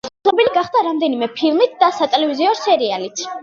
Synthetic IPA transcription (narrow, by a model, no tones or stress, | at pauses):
sʰnɔbiliɡaχd̪aɾamd̪ɛnimɛpʰilˠmit̪ʰd̪̥asat̪ʼɛlɛviziɔsɛɾialit̪ʰ